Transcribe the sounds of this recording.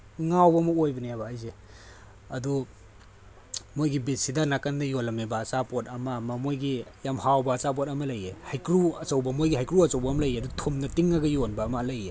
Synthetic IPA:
ŋawbɐmɐojbɐnijabɐːjze | ɐdu | mojɡibit̚sidɐnakandɐjolɐmebɐːt͡ʃapot̚ɐmɐmɐmojɡijamhawbɐːt͡ʃap̬otɐmɐlɐjehajkɾuɐt͡ʃɐwbɐmojɡiɦajkɾuɐt͡ʃɐwbɐːmɐlɐjeɐduɡtʰomnɐtiŋaɡɐjonbɐːmɐlɐje

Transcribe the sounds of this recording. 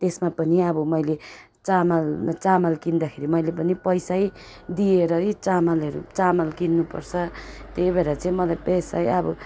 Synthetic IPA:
t̪esmapʌniʌbʌmʌjle | t͡samalt͡samalkind̪akʰeɾimʌjlepʌnipʌjsaj | d̪ieɾʌit͡samalʌɾṵt͡samalkinːupʌrt͡sʰʌt̪ebeɾat͡saĩmʌlajpʌsajʌbʌ

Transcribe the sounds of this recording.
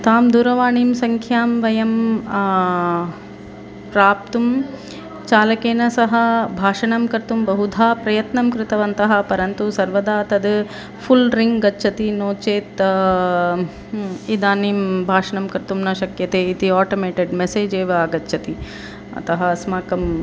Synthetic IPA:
t̪aːmd̪uːɾɐʋaːɳiːmsɐŋkʰjaːmʋɐjɐm | pɾaːp̚t̪um | t͡ʃaːlɐkeːnɐsɐɦɐbʱaːʂɐɳɐmkɐɾt̪umbɐɦud̪ʱaːpɾɐjɐt̪nɐmkɾɪt̪ɐʋɐnt̪ɐɦɐ̆pɐɾɐnt̪usɐɾʋɐd̪aːt̪ɐd̪ | pʰulɾiŋɡɡɐtːʃʰɐt̪inoːt͡ʃeːt̪ | id̪aːniːmbʱaːʂɐɳɐmkɐɾt̪umnɐʃɐkjɐt̪eːit̪iaːʈoːmeːʈeɖmeseːd͡ʒeːʋɐːɡɐtːʃʰɐt̪i | ɐ̰t̪ɐɦɐsmaːkɐm

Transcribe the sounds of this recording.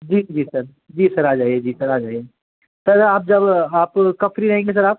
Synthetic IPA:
d͡ʒiːd͡ʒiːsɐɾ | d͡ʒiːsɐɾaːd͡ʒaːied͡ʒiːsɐɾaːd͡ʒaːie | t̪ɐɾaːp̚d͡ʒɐbaːpkɐfɾiɾɐɦẽːŋɡes̬ɐɾaːp̚

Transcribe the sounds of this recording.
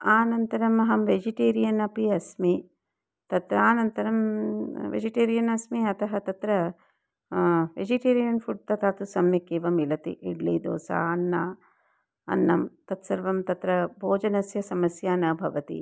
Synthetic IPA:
aːnɐnt̪ɐɾɐmɐɦɐmʋed͡ʒiʈeːɾijɐnɐpiɐsmi | t̪ɐt̪ɾɐaːnɐnt̪ɐɾɐmʋḛd͡ʒiʈeːɾijɐnɐsmiɐt̪ʰɐɦɐt̪ɐt̪ɾɐ | ʋed͡ʒiʈeːɾijɐnfʰuɖ̚t̪ɐt̪aːt̪usɐmjɐkeːʋɐmilɐt̪ḭʔiɽlḭːd̪o̰ːsa̰ːɐnːaː | ɐ̰nːɐmt̪ɐt̪sɐɾʋɐmt̪ɐt̪ɾɐbʱoːd͡ʒɐnɐsjɐsɐmɐsjaːnɐːbʱɐʋɐt̪ḭ

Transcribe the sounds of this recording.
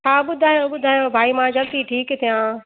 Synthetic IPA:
aːɓʊd̪ʱaːjoɓʊd̪ʱaːjobʱaːimãd͡ʑɐlt̪iʈʰiːkt̪ʰijã

